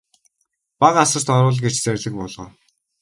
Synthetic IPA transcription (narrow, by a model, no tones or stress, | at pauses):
paʁasə̆r̥t̪ɔɾʊːɮɡet͡ɕt͡særʲɮɘ̆k̚pɔɮʁɞ̰ː